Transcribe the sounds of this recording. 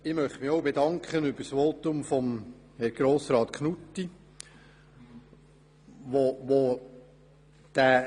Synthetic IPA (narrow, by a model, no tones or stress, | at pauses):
ɪmœχtmɪχoʊbedɑŋkχənʏbəsʋoːt̪ʊmfɔm | hɛɾɡ̥ɾoːsɾɑːt̪kχnutːi | ʋoʋo | d̪̥æ